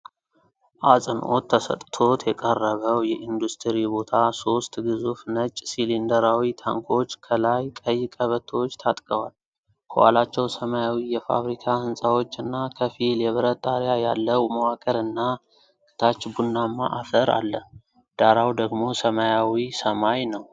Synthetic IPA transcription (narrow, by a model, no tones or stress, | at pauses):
ʔasʼɨnʔo̞̰t̪ʰːəsə̰t̪ʼt̪ʰo̞t̪jɛkʼərːəβəwjɛʔind̪ust̪ʰɨɾibo̞t̪ʰaso̞st̪ɡɨzufnət͡ʃʼːsilind̪əɾawit̪ʰaŋkʰo̞t͡ʃːkʰəlajkʼəjːɪkʼəβət̪ʰəwot͡ʃːt̪ʰat̪ʼkʼəwa̰l | kʰə̰wa̰lat͡ʃːɛwsəmajawijɛfa̰βɾikʰahɨnsʼawo̞t͡ʃːɨnːakʰəfiljɛβɨɾət̪ʼːaɾjaja̰lːəwməwakʼəɾɨnːa | kʰʼɨ̥t̪ʰat͡ʃːbunːamːa̰ʔafəɾa̰lːə | d̪̥aɾawd̪əɡmo̞səmajawisəmajnəw